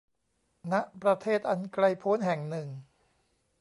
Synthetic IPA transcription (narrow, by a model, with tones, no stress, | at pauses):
na˦˥ʔpɾa˧t̪ʰeː˥˩t̪̚ʔa˧nkɾa˧jpʰoː˦˥nɦɛ˨˩ŋnɯ˨˩ŋ